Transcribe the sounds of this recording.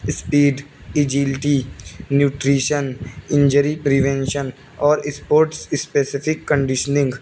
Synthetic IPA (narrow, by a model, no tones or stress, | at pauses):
spiːɖɪd͡ʒilʈinjuːʈɾiːʃənɪ̃ɲd͡ʒəɾipɾiʋẽnʃən | ɔːɾɪspoːɾʈsɪspeːsɪfʰɪkːə̃ɳɖɪʃənɪ̃ŋɡ